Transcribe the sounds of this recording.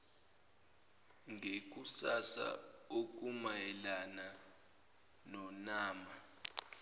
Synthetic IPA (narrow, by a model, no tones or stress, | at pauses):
ŋʱek̬usasa̰ok̬ʼumajɛlana | nɔnaːma